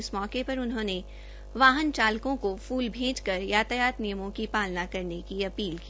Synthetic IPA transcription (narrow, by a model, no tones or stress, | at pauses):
ɪsmɔːkepɐɾʊnɦõːne | ʋaːɦənt͡ʃaːlkõkofuːlbʱẽːd͡ʒkɐɾjaːt̪əjaːt̪nijəmõkipaːlnakɐɾnekiɐpiːlki